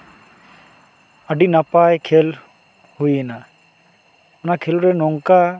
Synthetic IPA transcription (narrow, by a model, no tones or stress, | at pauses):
əɖinapajkʰel | hujɛna | ɔnakʰeluɾɛnɔŋka